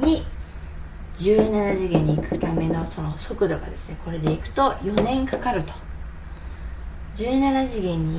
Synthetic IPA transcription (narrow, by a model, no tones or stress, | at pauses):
ɲ̟i | d͡ʑɨːnanaʑiɡẽ̞ɲ̟iːkɯ̟t̪ame̞no̞so̞noso̞kɯ̟d̪o̞ɡa̰d̪e̞sɨ̥ne̞ko̞ɾe̞d̪e̞ikɯ̟̥t̪o̞jo̞nẽ̞ŋkakaɾɯ̟t̪o̞̥ | d͡ʑɨːnanaʑiɡẽ̞ɲ̟i